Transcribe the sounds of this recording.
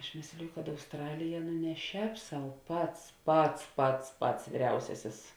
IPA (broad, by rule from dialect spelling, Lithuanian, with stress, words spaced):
ɐʃ ˈmʲeːsʲlʲɪjʊ kɐt ɐʊsˈtrɑːlʲɪjɛ nʊ nʲɛ ˈʃʲɛːp sɐʊ ˈpɐts ˈpɐts ˈpɐts ˈpɐts ʋʲiːˈrʲɛʊsʲɛsʲɪs